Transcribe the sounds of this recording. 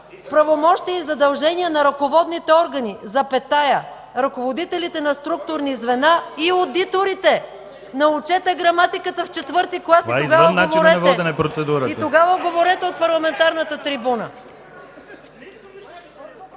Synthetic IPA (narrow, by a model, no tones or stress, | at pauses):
pɾɐvomɔʃt̪iɛizɐd̪ɐlˠʒɛniɛnɐɾɐkovɔd̪nit̪ɛɔɾɡɐnizɐpɛt̪ajə | ɾɐkovod̪it̪ɛlit̪ɛnɐst̪ɾuk̚t̪ʊɾnizvɛnaiod̪it̪oɾit̪ɛ | nɐʊt͡ʃɛt̪ɛɡɾɐmat̪ikət̪əft͡ʃɛt̪vɤɾt̪iklˠasvitaizoɡavnnavoɾɛɐtvɔd̪ɛnɛpɾot̪sɛd̪uɾəit̪t̪oɡavəɡovoɾɛt̪ɛot̪̚pɐɾlˠɐmɛnt̪aɾnət̪ət̪ɾibunə